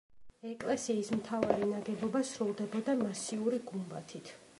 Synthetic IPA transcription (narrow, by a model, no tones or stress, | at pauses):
ɛkʼlɛsiːsmt̪ʰavaɾinaɡɛbɔbasɾulˠd̪ɛbɔd̪amasiuɾiɡumba̰t̪ʰit̪ʰ